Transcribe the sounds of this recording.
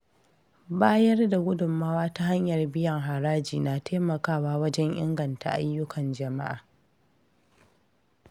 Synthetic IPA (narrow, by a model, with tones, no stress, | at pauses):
baː˦jɐ˦rda˨ɡʷʊ˦dʊ˨mːaː˦waː˦ta˦ɦa˦ɲjɐ˨rbɪ˦jɐ˨ŋɦa˨ɾaː˦d͡ʒiː˨naː˨tʰeː˦mɐ˨kaː˦˨waː˦wɐ˦d͡ʒɛ˦ɲʔɪ̰˦ŋɡɐ˨nta̰˨ʔa̰˦jːʊ˦kʰɐ˨nd͡ʒɐ˨ma̰˦ʔa̰ː˨